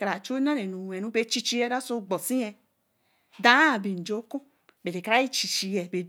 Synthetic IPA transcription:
ka˨ɾa˨t͡ʃo˦nã˦ɾe˨nũ˨ɛ˨nũ˨˦be˧˦t͡ʃi˧t͡ʃi˧˦ɛ˧˦da˦so˧ɡ͡bɔ˨sĩ˦ɛ˧ | dã˨˦˨be˨n̩˨d͡ʒo˨˦kũ˦ | be˨de˨ka˨ɾa˨˦i˦t͡ʃi˨t͡ʃi˧jɛ˨be˨

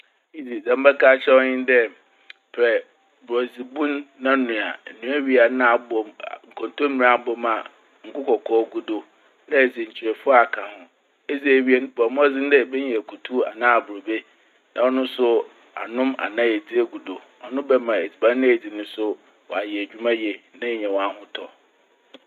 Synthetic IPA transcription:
i˦d͡zi˨d͡zã˨m̩˦bɛ˦kʰaː˦t͡ɕʰɛ˦ɔ˦ɲɪ̃˦n˦dɛ˦ | pʰɛ˨ | bʊ˨ɾɔ˨d͡zi˨bũ˦nːã˦nʊ̃˨a˨nũ˨˦æ˦ɥi˦a˨nã˦˨a˨bɔ˨m˨ŋ̩˨kʰɔ̃˨ntõ˦mĩ˨ɾã˨˦bɔ˨mã˨ | ŋ̩˨kʊ˦kʰɔ˨kʰɔː˦ɡu˦do˨ | nã˦e˨d͡zi˨ɲ̩˨t͡ɕʰi˨ɾɛ˨fʊ˦a˨kʰã˨hʊ̃˦ | e˦d͡zi˦e˨ɥi˦ɛ˦bɔ˨mʊ̃˦ɛ˦d͡zɪ˦n˦dɛ˦bɛ˦ɲɛ̃˨kʰu˨tʰu˦a̰˨nã˦a˨bʊ˨ɾo˨be˦ | nã̰˨ɔ˦nʊ̃˦sʊ˦ | a̰˨nʊ̃˦ma̰˨nã˦jɛ˨d͡zi˦e˦ɡu˨do˨ | ɔ˨nʊ̃˦bɛ˦mã˨e˨d͡zi˨bã˦ɪ̃˦e˨d͡zi˨nʊ̃˦sʊ˦ | wɔ̰˨a˨jɛ˨æ˨d͡ʑᶣu˦mã˦jɛ˨nã˦ɲɛ̃˨wɔ˨a˨hʊ̃˦tʰɔ˨

